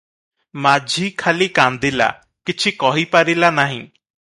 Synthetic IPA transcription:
maːd͡ʒʱiːkʰaːliːkãːnd̪ila̰ː | kɪt͡ʃʰiːkɔːɦiːpaːɾiːlaːnaːɦĩː

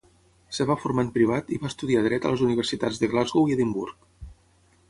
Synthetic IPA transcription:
səβafuɾmanpɾiβ̞at̪iβast̪uðiaðɾɛt̪ə̰ləzuniβərsit̪ad͡zðəɣlazɣoieðimbṵɾk

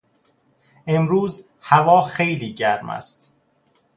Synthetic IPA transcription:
ʔe̞mɾuːz | hævɒːxe̞jliːɟæɾmæ̰st̪

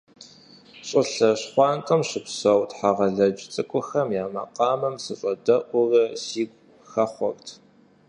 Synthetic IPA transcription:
ɕʼɪɬɐɕχʷɑːnkʼɐmɕɪpsɐwtħaːʁɐɮɐd͡ʒt͡sʼɨkʷʼʊxɐmjaːmɐ̰qɑːmɐmsɨɕʼɐdɐʔʷʊrɐsiːɡʷ | xɐχʷɔrtʰ

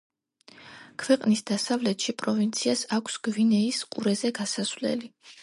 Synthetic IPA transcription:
kʰvɛqʼnisd̪asavlɛt̪ʃipʼɾɔvint̪sʰiasakʷʰsɡ̥vinɛisqʼuɾɛzɛɡasasvlɛ̰li

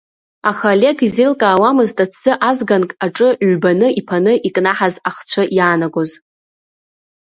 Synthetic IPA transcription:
aχalʲe̞ɡizilkʼaːwamɨztʼat͡sʰɨʔazɡankʼaʈ͡ʂʼɨɥbanɨʔipʰanɨʔikʼnaħazaχt͡ɕʷʰajaːnaɡoz

